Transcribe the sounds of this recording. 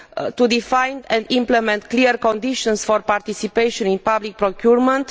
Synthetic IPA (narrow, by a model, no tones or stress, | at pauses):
t̪ud̪ifãjnd̪ɛ̃nd̪ĩmplemɛ̃nt̪kliɾkɔ̃nd̪iʃɔ̃nsfɔɾpaɾt̪isipejʃɔ̃nĩnpablik̚pɾokjuɾmə̃nt̪